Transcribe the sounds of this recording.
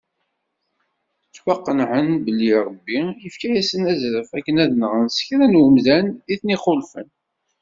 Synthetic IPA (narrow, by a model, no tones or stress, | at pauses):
t͡sːwɑqːənʕənbəlːiɾˤəbːijəfkæjæsənæzɾəfækːənæðnəʁənsçɾænwəmzæniθniχolfə̰n